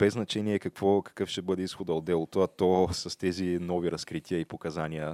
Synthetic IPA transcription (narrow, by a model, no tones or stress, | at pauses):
b̥ɛznɐt͡ʃɛniɛkɐkv̥ɔkɐ̥kɤfʃt̪ɛbɤd̪ɛisxod̪əod̪ːɛlˠot̪oɐt̪ɔsɐst̪ɛzinɔviɾɐskɾit̪iəipokɐzaniə